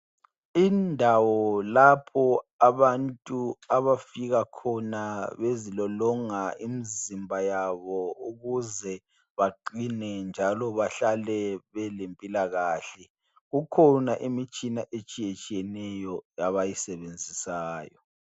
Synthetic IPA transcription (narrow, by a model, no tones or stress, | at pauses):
indʱawɔlapʰɔaβantʼuaβafiɣakʰɔnaβezilɔlɔŋaimizimbʱajaβɔuɣuzɛ | βaǃinɛnd͡ʒʱalɔβaɬalɛβɛlempʼilaɣaːɬɛ | ɣukʰɔnaʔimit͡ʃʼinaʔet͡ʃʼijet͡ʃʼijɛnɛjɔjaβajisɛβend͡zʱisaːjɔ̰